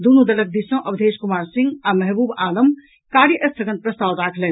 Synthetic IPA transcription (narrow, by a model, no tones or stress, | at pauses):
d̪unud̪ɐlək̚d̪isə̃ʔɐbd̪ʱeːʃkumaːɾsĩŋɡamɐɦbuːbaːləm | kaːɾjəʔɐst̪ʰəɡən̚pɾɐst̪aːwɾaːkʰlɛn